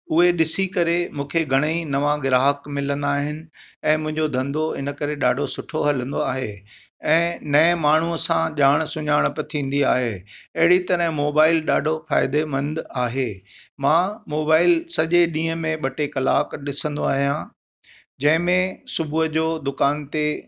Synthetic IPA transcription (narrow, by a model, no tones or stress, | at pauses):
ʊɦeɗɪsikɐɾemũːkʰeɡʱɐɽ̃inɐʋãɡɪɾaːɦəkmɪlə̃nd̪aːɦɪnɪ̆ɛ̃ːmʊ̃ɦɪ̃ɲd͡ʑod̪ʱɐ̃nd̪oɪnəkɐɾeɗaːɖʱosʊʈʰoɦɐlə̃nd̪oaːɦḛ | ɛ̃ːnɐɛ̃maːɳ̤uəsãʄaːɽ̃sʊɲaːɽ̃pɐt̪ʰĩːn̆d̪iaːɦeɐɦɪɽit̪ɐɾə̃ɦmoːbaːɪlɗaːɖʱofa̰ːɪd̪emɐ̃nd̪aːɦemãːmoːbaːɪlsɐʄeɗĩːɦəmẽɓɐʈekɐlaːkɗɪsə̃nd̪oaːɦijã | d͡ʑɐ̃ɦɪ̃mẽsʊbʱuɦəd͡ʑoːd̪ʊkaːnt̪e